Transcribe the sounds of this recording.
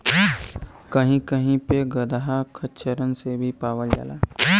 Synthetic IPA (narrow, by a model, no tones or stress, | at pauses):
kəɦĩkəɦĩpeɡəd̪aɦakʰətːʃəɾənsebʱipaːʋəld͡ʒa̰ːla̰ː